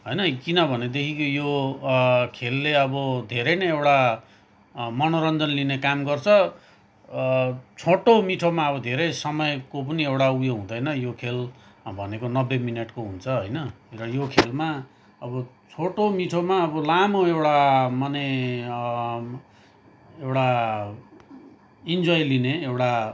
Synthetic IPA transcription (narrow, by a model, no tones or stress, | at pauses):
ɦojnʌkinʌbʱʌned̪ekʰikojo | kʰelːeʌbʌd̪ʱeɾʌjnʌjewʈa | mʌnoɾʌnd͡zʌnlinekamɡʌrt͡sʰʌ | t͡sʰoʈomiʈʰomaʌβʌd̪ʱeɾʌjsʌmʌjkop̬ʌniewʈaujoɦũd̪ʌjnʌjokʰelbʱʌnekonʌbːeminʌʈkoɦunt͡sʰʌɦʌjnʌ | rʌjokʰelma | ʌbʌ | t͡sʰoʈomiʈʰomaʌbʌlamoewʈamʌne | ewɽa | ind͡zojlineewʈa